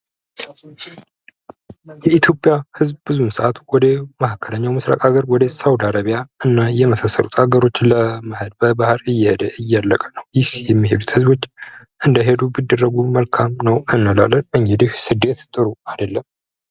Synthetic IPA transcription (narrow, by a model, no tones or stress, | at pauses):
jɛit̪ʰjo̞pʼːjahɨzbbɨzumsəʔat̪wɔd̪əməhakʰːələɲːawmɨsɾa̰kʼaɡəɾwɔd̪əsawd̪aɾaβijaʔɨnːajɛməsasːə̰lut̪ʰhaɡəɾo̞t͡ʃːləməhəd̪̚bəbahɾɨjːɛhed̪əʔɨjːalːəkʼənəwjɪhjɛmːiɦe̞d̪ut̪hɨzbo̞t͡ʃː | ʔɨnd̪əɦe̞d̪ubɨd̪ːərːəɡuməlkʰamnəwɨnːəla̰lːənʔɨɲɡɛd̪ɨhsɨd̪ːe̞t̪t̪ʼɨɾuad̪əlːəm